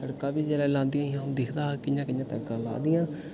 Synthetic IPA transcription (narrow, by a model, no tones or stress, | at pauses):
t̪əɽkãːbiːd͡ʒɛːlɛːlãːnd̪ɪjãːãːd̪ɪkʰd̪aːkɪjãːkɪjãːt̪əɽkãːla̰ːd̪ɪjãː